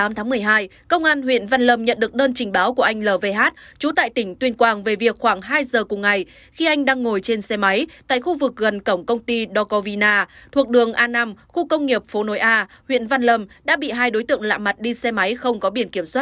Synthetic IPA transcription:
aː˨˦mt̪ʰa˨˦mɨ˨˩əjɦaː˧j | kə˧wŋ͡mʔaː˧nwḭ˧˨ənva˧nlə˨˩mɲə̰˧˨nɗɨ˨˩ək̚ɗəː˧nt͡ɕï˨˩ŋ̟ɓaː˨˦wku˧˩əʔa˧jŋ̟ləː˨˩ve˧˩ɦaː˦˥t̚t͡ɕu˨˦t̪a̰ː˧˨jt̪ï˧˩ŋ̟t̪wi˧ənkwaː˨˩ŋve˨˩vi˨˩ək̚xwaː˧˩ŋɦaː˧jzəː˨˩kŋ͡mŋa˨˩j | xi˧ʔa˧jŋ̟ɗaː˧ŋːo˨˩jt͡ɕe˧nsɛ˧ma˨˦jt̪a̰ː˧˨jxu˧vɨ˨˩k̚ɣə˨˩nkə˧˩wŋ͡mkə˧wŋ͡mt̪i˧ɗɔ˧kɔ˧vi˧naː˧t̪ʰu˨˩ək̚ɗɨ˨˩əŋʔaː˧naː˧mxu˧kə˧wŋ͡mŋi˨˩əp̚fo˨˦no˨˦jʔaː˧hwḭ˧˨ənva˧nlə˨˩mɗa̰ː˧˥ɓḭ˧˨ɦaː˧jɗo˨˦jt̪ɨ̰˧˨əŋla̰ː˧˨ma˨˩t̚ɗi˧sɛ˧ma˨˦jxə˧wŋ͡mkɔ˨˦ɓi˧˩ənki˧˩əmswa˦˥t̚

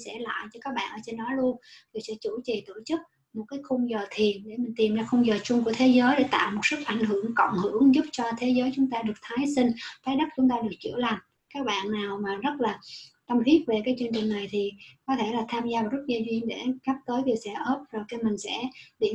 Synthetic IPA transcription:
sɛ̰˧˥la̰ː˧˨jt͡ɕɔ˧kaː˦˥k̚ɓa̰ː˧˨nʔəː˧˩t͡ɕe˧nɗɔ˨˦lu˧ənvi˨˩wsɛ̰˧˥t͡ɕu˧˩t͡ɕi˨˩t̪o˧˩t͡ɕɨ˦˥k̚ | mo˨˩t̚kaː˨˦jxʊ˧ŋ͡mzəː˨˩t̪ʰi˨˩ənɗe˧˩mï̟˨˩t̪i˨˩mzaː˧xʊ˧wŋ͡mzəː˨˩t͡ɕʊ˧ŋ͡mku˧˩ət̪ʰe˨˦zəː˨˦jɗe˧˩t̪a̰ː˧˨wmo˨˩t̚sɨ˦˥k̚ʔa̰˧˩jŋ̟ɦɨ˧˩˨əŋkɔ̰˧˨nhɨ˧˩˨əŋzu˦˥p̚t͡ɕɔ˧t̪ʰe˨˦zəː˨˦jt͡ɕʊ˨˦ŋ͡mt̪aː˧ɗɨ˨˩ək̚t̪ʰaː˨˦jsï˧ŋ̟faː˨˦jɗə˦˥k̚t͡ɕʊ˨˦ŋ͡mt̪aː˧ɗɨ˨˩ək̚t͡ɕɨ̰˧˩əla˨˩m | kaː˦˥k̚ɓa̰ː˧˨nːaː˨˩wmaː˨˩zə˦˥t̚laː˨˩ka˧mfi˦˥p̚ve˨˩kaː˨˦jt͡ɕɨ˧əŋt͡ɕï˨˩ŋ̟na˨˩jt̪ʰi˨˩kɔ˨˦t̪ʰe˧˩laː˨˩t̪ʰaː˧mzaː˧vaː˨˩zə˦˥t̚zə˧˩zwi˧ŋɗe˧˩ɣa˦˥p̚t̪əː˨˦jvi˨˩wsɛ̰˧˥ʔəː˦˥p̚zo˨˩jka˧˦mï˨˩ŋ̟sɛ̰˧˥ɗḭ˧˩

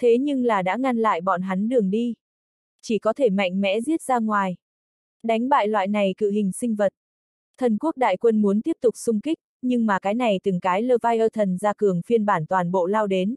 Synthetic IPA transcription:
t̪ʰe˨˦ɲɨ˧ŋlaː˨˩ɗa̰ː˧˥ŋa˧nla̰ː˧˨jɓɔ̰˧˨nɦa˨˦nɗɨ˨˩əŋɗi˧ | t͡ɕi˧˩kɔ˨˦t̪ʰe˧˩ma̰˧˨jŋ̟mɛ̰˧˥zi˦˥ət̚zaː˧ŋwaː˨˩j | ɗa˨˦jŋ̟ɓa̰ː˧˨jlwa̰ː˧˨jna˨˩jkɨ̰˧˨ɦï˨˩ŋ̟sï˧ŋ̟və˨˩t̚ | t̪ʰə˨˩nku˦˥ək̚ɗa̰ː˧˨jkwə˧nmu˨˦ənt̪i˦˥əp̚t̪ʊ˨˩k͡p̚sʊ˧ŋ͡mkï˦˥k̟̚ɲɨ˧ŋmaː˨˩kaː˨˦jna˨˩jt̪ɨ˨˩ŋkaː˨˦jləː˧vaː˧jʔəː˧t̪ʰə˨˩nzaː˧kɨ˨˩əŋfi˧ənɓaː˧˩nt̪waː˨˩nɓo̰˧˨laː˧wɗe˨˦n

